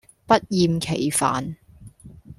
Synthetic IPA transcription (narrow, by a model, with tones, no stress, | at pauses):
pɐ˥t̚jiː˨˧mkʰe˨˩jfa̰ː˨n